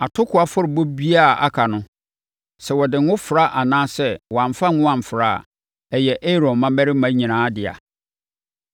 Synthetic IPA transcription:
a˨tʰʊ˦kʰʊ˨a˨fʊ˦ɾɪ˨bo˦bi˦a˦˨a̰˦kʰa˨nʊ̃˦ | sɛ˨wɔ˨dɪ˨ŋ˦ʊ̃˦fɾa˦ʔa˨nãː˦sɛ˦wɔ˨ã˨ɱ˨fa˦ŋʊ̃˦ã˨m˨fɾa̰˦˨ | ɛ˨jɛ˨ʔe˦ɾɔ̃˨nmã˦bɛ˦ɾɪ˦mã˦ɲĩ˨nãː˨˦dɪ˨a̰˨

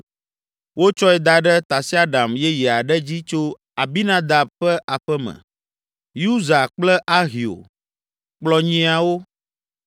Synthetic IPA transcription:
wo˦t͡ʃɔ˦ɛ˨d̪a˨ɖɛ˦t̪a˨si˦a˦ɖa˨mjɛ˦ji˨a˨ɖɛ˦d͡ʑi˦t͡ʃo˦ | a˨bi˦nã˦d̪a˨b̚ɸɛ˦ʔa˨ɸɛ˦mɛ̰̃˨ | ju˦za˨k͡plɛ˦ʔa˦ɦi˨o̰˨ | k͡plɔ˨ɲĩ˦a˨wo˦

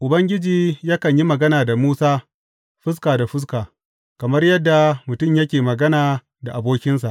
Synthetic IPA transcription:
ʔʊ˨bɐ˦ŋɡʲɪ˦d͡ʒiː˨ja˦kɐ˨ɲji˦mɐ˨ɡɐ˦naː˨da˨muː˦saː˦ | ɸɪ˦s̬kaː˨da˨ɸɪ˦s̬kaː˨ | kɐ˨mɐ˦rjɐ˦dːa˨mʊ˨tʊ˦˨mjɐ˦kʲeː˨mɐ˨ɡɐ˦naː˨ | da˨ʔa˨boː˦kʲɪ˦nsa˨ʔ

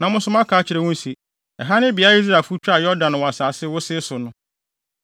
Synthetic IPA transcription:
nã˨mʊ̃˦sʊ̃˦mã˦kʰaː˨˦t͡ɕʰɪ˨ɾɛ˨wʊ̃˦n˦si˨ | ɛ˨ɦa˦nɪ̃˦bɪ˨a˦i˦s̬ɾa˨fu˦t͡ɕᶣa˦˨jɔ˦dã˨n˨wɔ˨a˨saː˨sɪ˦wʊ˦sɪ˦sʊ˨nʊ̃˦

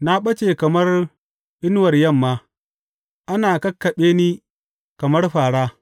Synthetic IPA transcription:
na˦ɓɐ˦t͡ʃeː˨kɐ˨mɐ˦r | ʔɪ˦nwɐ˨rjɐ˦˨mːaː˦ | ʔa˦naː˨kɐ˦kːɐ˨ɓeː˦niː˦ | kɐ˨mɐ˦rɸaː˨ɽaː˦

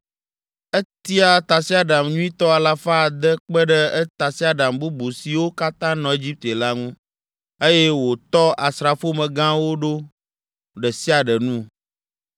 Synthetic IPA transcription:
ə˦t̪i˦a˨t̪a˨si˦a˦ɖa˨mɲũ˦ĩ˦t̪ɔ˦a˨la˦fa˦˨d̪ə˦k͡pə˦ɖə˦ɛ˦t̪a˨si˦a˦ɖa˨mbu˦bu˨si˨wo˦ka˦t̪ã˦nɔ̃˨e˦d͡ʑi˦p̚t̪e˨la˦ŋũ˦ | e˦je˦wo˨t̪ɔ˦ʔa˨sɾa˨fo˦mə̃˨ɡã˦wo˦ɖo˦ | ɖə˨si˦a˨ɖə˨nũ˦

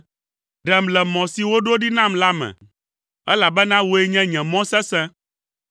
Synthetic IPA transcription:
ɖɛ˨mlɛ˨mɔ̃˨si˨wo˦ɖo˦ɖi˦nã˦mla˦mɛ̰̃˨ | ɛ˦la˨bɛ˦nã˦wo˨˦e˦ɲɛ̃˦ɲɛ̃˨mɔ̃˦sɛ̃˦sɛ̃˦

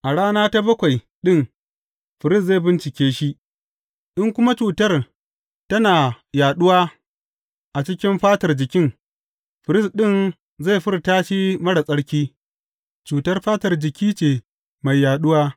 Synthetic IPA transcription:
ʔa˨ɽaː˦naː˦ta˦bɐ˦kʷa˨j | ɗɪ˦ŋ | ɸɪ˨ɾɪ˦sze˦˨bɪ˦nt͡ʃɪ˨kʲeː˦ʃi˦ | ʔɪ˦ŋkʷʊ˦ma˦t͡ʃuː˨tɐ˦r | tɐ˦naː˨ | jaː˨ɗʊ˦waː˦ | ʔa˨t͡ʃɪ˦kʲɪ˦mɸaː˦tɐ˨rd͡ʒɪ˨kʲɪ˦ŋ | ɸɪ˨ɾɪ˦sɗɪ˦˨n | za˦˨ɸɪ˦ɾtaː˦ʃi˦mɐ˦ɽa˨sʼɐ˦ɽkʲiː˦ | t͡ʃuː˨tɐ˦rɸaː˦tɐ˨rd͡ʒɪ˨kʲiː˦t͡ʃeː˨ | ma˨jːaː˨ɗʊ˦waː˦

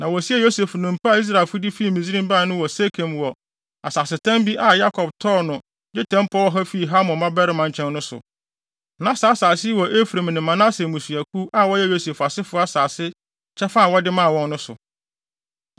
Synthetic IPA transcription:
nã˨wɔ˨si˦ɛ˦jo˦se˨fnʊ̃˨m˨pʰa˦a˨i˦s̬ɾa˨ɪ˨fʊ˦dɪ˦fi˦˨mĩ˨zi˦ɾĩ˦mba˦˨nʊ̃˦wɔ˨se˦kʰẽ˨m˨wɔ˨ | a˨saː˨sɪ˨tʰã˦mbi˦ʔa˦ja˦kʰɔ˨b̚tʰɔː˦nʊ̃˨ | dɪ˦tʰɛ̃˦m˦pʰɔ˦wɔ˦ɦɛ˦fi˦˨ɦa˦mʊ̃˨mã˦bɛ˦ɾɪ˦mã˨ɲ̩˨t͡ɕʰɛ̃˦nnʊ̃˦sʊ̰˨ | nã˨˦saː˨˦saː˨sɪ˦wɔ˨ʔe˦fu˨ɾe˨m̃˨nɪ̃˨mːã˨na˦se˨mũ˨su˨æ˨kʰu˦ʔa˦wɔ˦jɛ˦jo˦se˨fa˨sɪ˦fʊ˦a˦saː˨sɪ˦ | t͡ɕʰɛ˦fa˦˨wɔ˦dɪ˦mã˦˨wɔ̃˦nːʊ̃˦sʊ̰˨

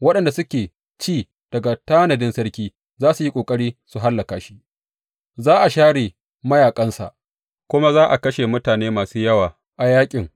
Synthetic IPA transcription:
wɐ˦ɗɐ˨nda˨sʊ˦kʲeː˨ | t͡ʃiː˦˨ | d̥ɐ˨ɡa˨taː˦nɐ˨dɪ˦nsɐ˦ɾkʲiː˦ | zaː˦su˨ji˦kʷʼoː˨kʼɐ˦ɽiː˦su˨ɦa˦lːɐ˨kaː˨ʃi̥˦ʔ | zaː˦ʔa˨ʃaː˦ɽeː˨ | mɐ˦jaː˨kʼɐ˦nsa̰˨ʔ | kʷʊ˦ma˦zaː˦ʔa˨kɐ˦ʃe˨mʊ˦taː˨neː˦maː˨suː˦jɐ˦waː˨ | ʔa˨jaː˦kʲʼɪ˨ŋ

